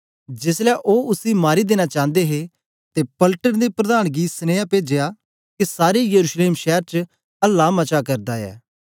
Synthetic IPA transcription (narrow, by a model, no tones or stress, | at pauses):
d͡ʒɪslɛʔoːʊsimaːɾid̪eːñat͡ʃãːnd̪eɦe | t̪epɐlʈənd̪epɾɐd̪aːɽ̃ɡisneːapeːd͡ʒeja | kesaːɾejəɾuʃleːmʃɛːɾt͡ʃ | ɐlːaːmɐt͡ʃakɐɾd̪aɛ̰ː